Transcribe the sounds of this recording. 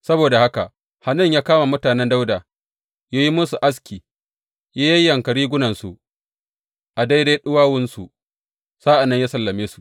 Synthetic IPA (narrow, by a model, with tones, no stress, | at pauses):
sɐ˦boː˨da˨ha˦ka˨ʔ | ha˨nɐ˦˨ɲjaː˦kaː˦ma˨mʊ˦taː˨nɛ˦nda˦wdaː˨ | jaː˦ji˦mʊ˦su˨ʔa˦s̬kʲiː˨ | jaː˦jɐ˦jjːɐ˨ŋkɐ˨ɽiː˦ɡʷʊ˦nɐ˨nsu˨ʔ | ʔa˨da˦jda˦ɗʊ˦waː˦wʊ˦nsu˨ʔ | saː˦ʔa˨nːɐ˦ɲjaː˦sɐ˨lːɐ˨meː˦su˨ʔ